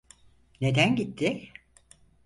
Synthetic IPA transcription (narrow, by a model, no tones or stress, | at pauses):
ne̞d̪ænɟit̪ʰːɪ